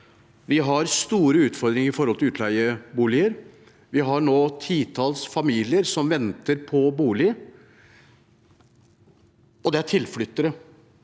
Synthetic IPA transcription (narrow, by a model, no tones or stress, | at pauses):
ʋɪɦɑɾst̪uːɾəʉːt̪fɔɾd̪ɾɪŋəɾɪfɔɾɔlt̪ɪlʉːt̪ʰlæɪəbuːlɪəɾ | ʋɪɦɑɳoːt̪ʰiːt̪ʰɑlsfɑmiːlɪəɾsɔmʋɛnt̪əɾpʰɔbuːlɪ | ɔd̪ɛæʈʰɪlflʏt̪ːəɾə